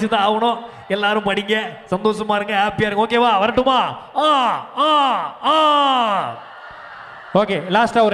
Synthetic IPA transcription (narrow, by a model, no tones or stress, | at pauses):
t͡ʃːɪt̪ːãaːʋɐnõː | ɛlːaːɾɯ̃mpɐɽɪŋɡesɐnd̪oːsɐmaːɪɾɯŋɡɐɦaːpijaːɾɯŋɡɐoːk̬eːʋaːʋɐɾɐʈːɯmaːaːaːaː | oːkeːlaːsʈaɔɾ